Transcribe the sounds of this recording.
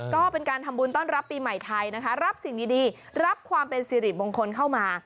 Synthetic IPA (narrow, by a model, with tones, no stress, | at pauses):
kɔː˥˩pe˧nkaː˧nt̪ʰa˧mbuː˧nt̪ɔː˥˩nɾa˦˥pːiː˧ma˨˩jt̪ʰa˧jna˦˥kʰa˦˥ɾa˦˥p̚si˨˩ŋtiː˨˧diː˧ | ɾa˦˥p̚kʰwaː˧mpe˧nsiː˨˧˦ɾi˨˩t̪̚boː˧ŋkʰo˧nkʰa˥˩wmaː˧